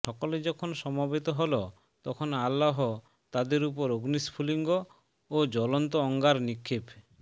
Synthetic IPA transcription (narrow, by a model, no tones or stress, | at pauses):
ʃɔkoled͡ʑɔkʰonʃɔmabet̪oɦolo | t̪ɔkʰonalːaɦo | t̪ad̪eɾupoɾoɡnispʰuliŋɡo | od͡ʑɔlont̪oɔŋɡaɾnikʰːib